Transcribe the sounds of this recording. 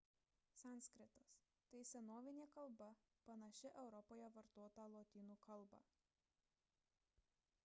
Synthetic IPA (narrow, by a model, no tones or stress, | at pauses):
sɑˑnʲsʲkɾʲɪt̪ɐs | t̪ɐɪsʲɛnoːʋʲɪnʲeːkɐlˠbɐ | pɐnɐʃʲɪʔɛʊɾɔpoːjɛʋɐɾt̪oːt̪ɑlˠoːt̪ʲiːnuːkʰɐlˠˑbɑ̰